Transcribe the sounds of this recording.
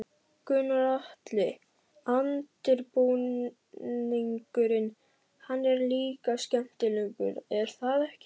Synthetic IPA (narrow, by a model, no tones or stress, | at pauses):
kʏnaɾaht̪lɪ | ant̪ɪɾpuw | niŋkʏɾɪn | hanːɛɾliːkascɛm̥t̪ɪliŋkʏ̰ɾɛɾ̥θaðɛhc